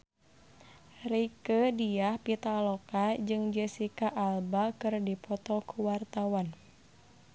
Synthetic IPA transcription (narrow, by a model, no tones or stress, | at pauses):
rikədiahpit̪alɔkad͡ʒɨŋd͡ʒɛsikaʔːlbakɨrdipɔt̪ɔkuwart̪awan